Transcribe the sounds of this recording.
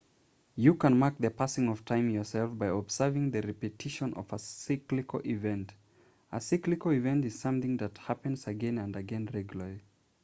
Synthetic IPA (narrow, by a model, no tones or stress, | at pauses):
jɨkə̃nmak̚ðɨpʰasɪ̃ŋʌv̥tʰãɪ̃mjɔ˞sɛlˠfbaɪɔbsɜ˞vɪ̃ŋðɨɹɛpɨtʰɪʃə̃nʔʌ̰vəsaklikoʔivɛ̃nt | əsiklikoivɛ̃ntɨz̥sʌ̃mθɪ̃ŋðɨt̚hæpɨ̃nz̥ɨɡɛ̃nɨ̃ndɨɡɛ̃nɹɛɡjləli